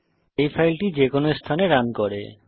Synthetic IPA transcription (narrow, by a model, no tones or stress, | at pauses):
ejfʰajlʈid͡ʑekonoest̪ʰaneɾankɔɾḛ